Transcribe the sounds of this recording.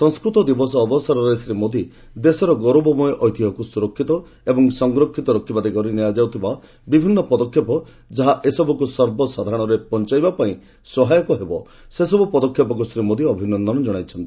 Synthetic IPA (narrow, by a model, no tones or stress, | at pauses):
sɔ̃ŋskɾut̪ɔd̪ibɔsɔːbɔsaɾɔɾesɾimod̪i | d̪esɔɾɔɡɔɾobɔmɔjeʔɔjt̪iɦɔkusuɾɔkʰːit̪ɔ | ebɔŋsɔŋɡɾɔkʰːit̪ɔɾɔkʰːibad̪ikɔɾiniad͡ʒawt̪ʰiba | bibʱinːɔpɔd̪ɔkʰjɔpɔ | d͡ʒaɦaʔesɔbʱɔkusɔɾbɔsad̪ʱaɽ̃ɔɾepɔnt͡ʃajbapaĩ | sɔɦajɔkɔɦebɔ | sesɔbupɔd̪ɔkʰjɔpɔk̬usɾimod̪iɔbʱinɔnd̪ɔnɔd͡ʒɔɽ̃ajt͡ʃʰɔnt̪i